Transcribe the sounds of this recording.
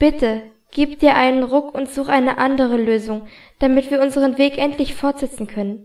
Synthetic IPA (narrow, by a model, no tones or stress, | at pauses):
b̥ɪtə | ɡ̥iːpd̥iːɐʔaɪnənʁʊkʊntz̥uːxʔaɪnəʔandəʁ̞əløːzʊŋ | d̥amɪtv̥iːɐʔʊnzəʁ̞ənveːkʔɛntʰlɪçfɔɐtz̥ɛt͡sn̩kʰœnən